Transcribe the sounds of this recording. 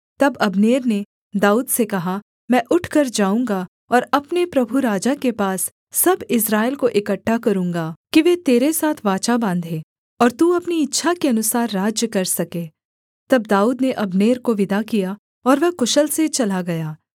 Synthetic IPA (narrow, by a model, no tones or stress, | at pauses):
t̪ɐbɐbneːɾne | d̪aːuːd̪sekɐɦa | mɛ̃ːʔʊʈʰkɐɾd͡ʒaːũːŋɡa | ɔːɾɐpnepɾɐbʱuɾaːd͡ʒakepaːsː | ɐbɪs̬ɾaːɪlkoʔɪkəʈʰːakɐɾũːŋɡaːkiʋet̪eːɾesaːt̪ʰʋaːt͡ʃabãːnd̪ʱẽː | ɔːɾt̪uːɐpniɪtːʃʰakeɐnʊsaːɾːaːd͡ʒjəkɐɾsɐkeː | t̪ɐb̚d̪aːuːd̪neʔɐbneːɾkoʋɪd̪akija | ɔːɾʋɛɦkʊʃəlset͡ʃɐlaɡɐjaː